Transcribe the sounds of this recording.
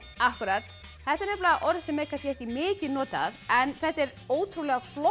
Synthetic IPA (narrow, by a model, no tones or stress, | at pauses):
ahkʏɾaːt̪ | θɛht̪aɾnɛɾplaaʔɔɾðsɛmɛɾkʰanscɛɛhtcɪmɪːcɪðnɔːt̪a̰ðɛnθɛht̪ːɛɾ | oːwt̪ʰɾulɛɣaflɔ